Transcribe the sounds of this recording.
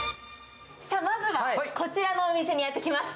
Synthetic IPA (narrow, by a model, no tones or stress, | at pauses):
samazɨβako̞t͡ɕiɾano̞ːmʲise̞ɲ̟ijat̪ːe̞kʲimaɕi̥t̪